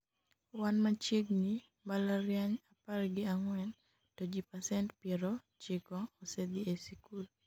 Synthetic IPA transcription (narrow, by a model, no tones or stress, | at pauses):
wanmat͡ʃjeɡni | balaɾjaɲaparɡɪaŋwɛn | tod͡ʒipasɛntpɛɾɔ | t͡ʃeɡɔːsɛd̪iesikul